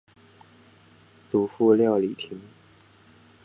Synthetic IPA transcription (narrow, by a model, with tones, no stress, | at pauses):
t͡su˨˥˦fu˥˧ljɑ˥˩ʊli˨˩t̪ʰi˧˥ŋ